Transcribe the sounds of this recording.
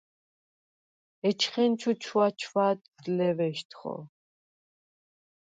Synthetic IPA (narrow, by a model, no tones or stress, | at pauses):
ɛt͡ʃʰχɛnt͡ʃʰut͡ʃʰwat͡ʃʰwaːt̪d̪lɛvɛʃt̪ʰχɔ̰